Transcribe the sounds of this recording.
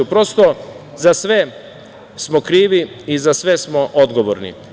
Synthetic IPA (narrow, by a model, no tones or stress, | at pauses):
upɾo̞st̪o | zasʋe | smokɾiːʋi | izasʋesmoʔod̪ɡo̞ʋo̰ɾnḭ